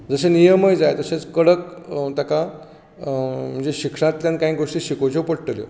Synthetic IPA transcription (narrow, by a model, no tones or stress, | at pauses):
d͡zəsenijəməjd͡zajt̪əset͡skəɽəkt̪aka | m̤əɳd͡zeɕikʂãt̪ljãnkaĩɡʱoʂʈiːɕikot͡ɕopəɽʈəljo̰